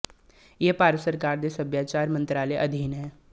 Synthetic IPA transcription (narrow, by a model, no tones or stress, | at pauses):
jepaːɾsəɾkaːɾd̪esɐbjaːt͡ʃaːɾmə̃nt̪ɾaːleʔɐd̪ʱiːnɦɛː